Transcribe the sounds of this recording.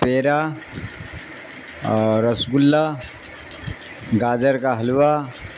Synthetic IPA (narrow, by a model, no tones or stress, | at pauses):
peɾa | ɾəsɡulːa | ɡad͡ʒəɾkaɦəlʋa